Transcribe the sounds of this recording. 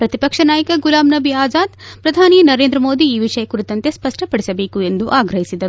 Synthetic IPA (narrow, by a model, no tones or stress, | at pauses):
pɾɐt̪ipɐkʂɐnaːjɐkɐɡulaːmnɐbiaːzaːd̪pɾɐd̪ʱaːninɐɾeːnd̪ɾɐmoːd̪iːʋiʂɐjɐkuɾit̪ːɐnt̪e̞spɐʂʈʰɐpɐɽisɐbe̞ːkuend̪uʔaːɡɾɐɦisid̪ɐ